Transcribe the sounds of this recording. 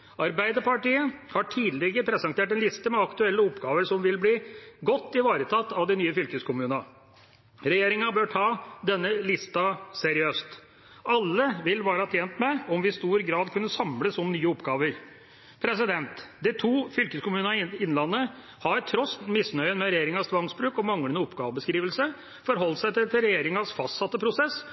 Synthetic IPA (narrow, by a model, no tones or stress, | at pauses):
ɑɾbæɪd̪əɾpɑʈiːəhɑʈʰiːd̪lɛɡəpʰɾɛsɛŋt̪ʰeːʈ̬ɛnlɪst̪əmɛɑkt̪ʉɛlːəɔpːɡɑːʋəɾʂɔmʋɪlbliːɡɔt̪ːɪʋɑːɾət̪ʰɑt̪ːɑʋd̪ɪnyːəfʏlkəskʰʊmʉːnɑ | ɾɛjeːɾɪŋɑbøːʈʰɑːd̪ɛnːəlɪst̪ɑsɛɾɪøːst̪ | ʔɑlːəʋɪlʋɑːɾɑt̪ʰjeːnt̪mɛɔmʋɪst̪uːɾɡɾɑːd̪kʰʉnːəsɑmləsɔmnyːəɔpɡɑːʋəɾ | pʰɾɛs̬ɪd̪ɛnt̪d̪ɪt̪ʰuːfʏlkəskʊmʉːnɪnlɑnːə | hɑɾt̪ʰɾɔsmɪsnœʏənmɛɾɛjeːɾɪŋɑst̪ʰʋɑŋsbɾʉːkɔmɑŋlənəɔpːɡɑːʋəbəskɾiːʋəlsə | fɔɾɦɔlːsæɪt̪ɪt̪ɪlɾɛjeːɾɪŋɑsfɑst̪sɑt̪ːəpʰɾʊsɛs